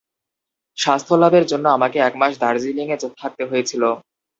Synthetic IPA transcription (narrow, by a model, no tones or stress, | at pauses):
ʃast̪ʰolad̪eɾd͡ʑonːoamakeɛkmaʃd̪ʱaɾd͡ʑiliŋed͡ʑot̪ʰak̚t̪eɦojet͡ɕʰilo